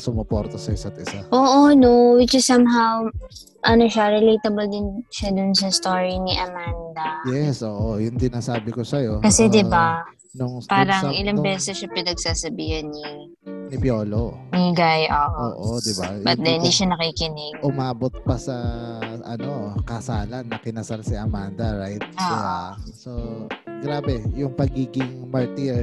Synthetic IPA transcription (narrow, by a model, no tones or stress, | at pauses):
sʊmopoɾt̪ɐsɐjsɐt̪ɪsaʔoːʔonowɪt͡ʃɪsɐmɦaw | ʔɐnoʃaɾɛlejt̪ɐbɐld̪ɪnʃad̪ʊnsɐst̪oːɹinɪʔɐmand̪ɐjɛsʔoːʔojʊŋsɪnaːsaːbɪkosɐjo̞kɐsɛd̪ɪba | nʊŋpaːɾɐʔɪlaŋbɛːsɛsʃɐpɪnɐɡ̚saːsɐbiːhɐnːi | nɪbjoːloniɡajʔoʔʔo̰ːʔod̪ɪbajɐd̪ɛɪnd̪iːʃɐnɐkiːkɪnɪɡ̚ʔʊmaːbot̪̚pɐsɐʔɐno̞kɐsaːlɐnːɐkɪnɐsalsɪɐmand̪ɐɹajt̪̚soːsoɡɾaːbɛjʊŋpɐɡiːɡɪŋmɐɹt̪iɹ